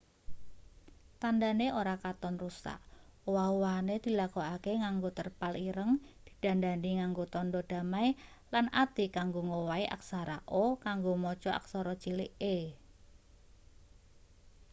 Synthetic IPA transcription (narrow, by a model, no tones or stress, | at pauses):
t̪andaneʔoɾakat̪ɔnrusa̰ʔwauwaned̪̥i̤lakoakeŋaŋɡot̪ərpaliɾəŋd̪̥i̤d̪̥a̤ndandiŋaŋɡot̪ɔndɔd̪̥a̤maj | lanʔat̪ikaŋɡoŋowaiʔa̰k̚saɾaʔokaŋɡomɔt͡ʃɔa̰ksɔɾɔt͡ʃiliʔe